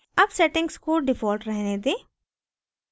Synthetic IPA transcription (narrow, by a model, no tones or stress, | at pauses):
ɐbsɛʈɪ̃ŋɡskoːɾɖɪfɔːlʈɾɛɦned̪eː